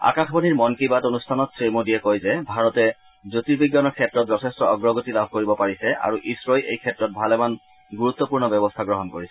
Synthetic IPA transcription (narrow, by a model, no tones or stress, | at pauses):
a̰kaxʰbɔniɹmɔnkebatonustʰanɔtsɹemodiɛkɔjzɛbʱaɹɔtɛ | zotiɹbiɡjɔnɔɹkʰɛtɹɔt̚zɔsʰɛstɔɔɡɹɔɡotilabʱkoɹibɔpaɹisɛa̰ɹuʔisɹɔjʔejkʰɛtɹɔt̚bʱalɛman | ɡuɹut̪ːɔpuɹnɔbɛbɔstʰaɡɹɔɦɔnkoɹisɛ̥